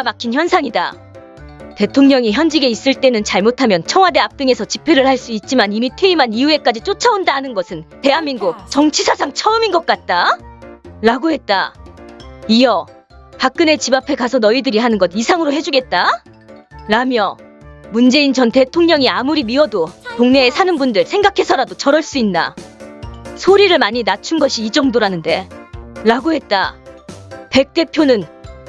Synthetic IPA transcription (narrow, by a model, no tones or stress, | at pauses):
amakʰinçjʌnsʰaŋida̰ | te̞tʰoŋɲʌŋiçjʌnd͡ʑiɡe̞is͈ɯɭt͈e̞nɯnt͡ɕaɭmotʰamjʌnt͡ɕʰʌŋɦwade̞ap̚t͈ɯŋe̞sʰʌt͡ɕipʰe̞ɾɯɭhaɭs͈uit̚t͡ɕ͈imanimitʰeimanijue̞k͈ad͡ʑit͡ɕ͈ot͡ɕʰaondaɦanɯnɡʌsʰɯnte̞ɦanmːinɡok̚t͡ɕʌŋt͡ɕʰisʰasʰaŋt͡ɕʰʌɯminɡʌt̚k͈at̚t͈a | ɾaɡohe̞t̚t͈a | ijʌ | pak̚k͈ɯne̞t͡ɕibapʰe̞kasʰʌnʌidɯɾiɦanɯnɡʌdisʰaŋɯɾoɦe̞d͡ʑuɡe̞t̚t͈a | ɾamjʌ | mund͡ʑe̞int͡ɕʌnte̞tʰoŋɲʌŋiamuɾimiwʌdotoŋne̞ːsʰanɯnbundɯɭsʰe̞ŋɡakʰe̞sʰʌɾadot͡ɕʌɾʌɭs͈uinːa̰ | sʰoɾiɾɯɭmaɲinat͡ɕʰunɡʌɕʰiːd͡ʑʌŋdoɾanɯnde̞ɾaɡoɦe̞t̚t͈a̰ | pe̞k̚t͈e̞pʰjonɯn